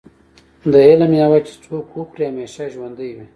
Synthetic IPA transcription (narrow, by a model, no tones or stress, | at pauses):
d̪əelamjawat͡ʃe̥t͡sʰokwuxɾiameʃaʒwand̪əjwi